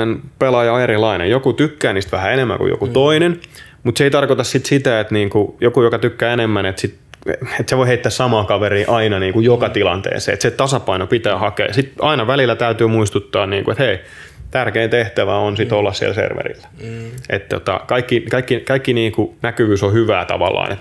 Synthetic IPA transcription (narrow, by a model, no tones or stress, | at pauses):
enpelɑjɑoeɾilɑinḛjokut̪ykːæːniːst̪ʋæhæenemːæ̰ŋkṵjo̰kut̪oinen | mut̪seit̪ɑrkot̪ɑssit̪sit̪æet̪niːŋkujokujokɑt̪ykːæːenemːænet̪sit̪ | et̪seʋoiheit̪ːæːssɑmɑːkɑʋeriːʔɑinɑniːŋkujokɑt̪ilɑ̰nt̪ḛːsḛːḛt̪set̪ɑsɑpɑinopit̪æːhɑkḛːjɑsit̪ɑinɑʋælilːæt̪æyt̪yːmuist̪ut̪ːɑːnniːŋkuet̪hei | t̪ærkeːnt̪eht̪æʋæ̰onsit̪olːɑssḭḛlsḛrʋḛɾḭlːæ̥ʔet̪t̪ːo̰t̪ɑ̰kɑikːikɑikːikɑikːiniːŋkunækyʋyːsohyʋæ̰ːt̪ɑ̰ʋɑ̰lːɑ̰ːnʔḛt̪